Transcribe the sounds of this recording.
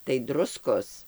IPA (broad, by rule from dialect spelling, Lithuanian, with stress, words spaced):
tɐɪ ˈdrʊskoːs